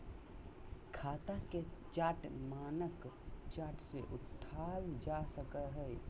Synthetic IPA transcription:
kʰaːt̪aket͡ʃaːʈmaːnəkt͡ʃaːʈseʔʊʈʰaːld͡ʒasəkəɦɛ

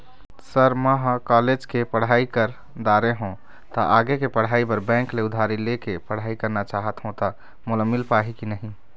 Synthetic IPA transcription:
səɾməɦkɔled͡ʒkepəɽ̤aikəɾ | d̪aɾeɦõ | t̪ɔʔaɡekepəɽ̤aibəɾbɛ̃ŋkleʊd̪ʱaɾilekepəɽ̤aikəɾnat͡ʃaɦət̪ɦõt̪ɔ | moləmːilpaɦikinəɦĩ

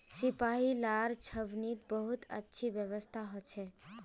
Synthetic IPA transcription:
sipaɦilaɾt͡ʃʰəbnit̪̚bəɦut̪ə̰tːʃʰibjəβəst̪ʰaɦot͡ʃʰɛ

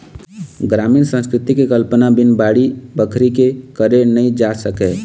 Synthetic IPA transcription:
ɡɾaːmiːnsə̃nskɾɪt̪ikekəlpənabɪnbaːɽibəkʰɾikekəɾenəĩd͡ʒaːsəkeː

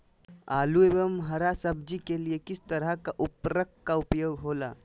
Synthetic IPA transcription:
aːluebəmɦəɾasəb̚d͡ʒikeliekɪst̪əɾəkaʔupɾəkkaupjoːɡɦoːla̰

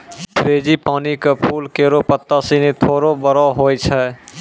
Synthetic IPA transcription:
pʰɾed͡ʒipanikepʰulkeɾopət̪ːasinet̪ʰoːɾobəɾɔɦojt͡ʃʰɛ

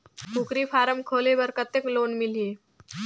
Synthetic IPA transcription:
kʰukɾifʰaːɾəmkʰoːlebəɾkət̪ːəkloːnmɪlie

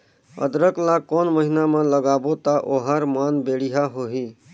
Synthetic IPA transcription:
ə̰d̪ɾəklakɔnməɦinamãləɡabot̪aʔoɦaɾmanbeɽiɦaɦoɦi

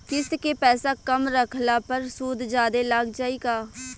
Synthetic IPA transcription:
kɪskeːpɛːsaːkəmɾəkʰlaːpəɾsuːd̪d͡ʒaːd̪eːlaɡd͡ʒaːiːɡaː

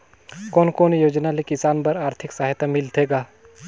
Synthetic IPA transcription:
kɔːnkoːnjoːd͡ʒnalekɪsaːnpɐɾaːɾt̪ʰɪksaɦjt̪ʰamɪlt̪ʰeːɡaː

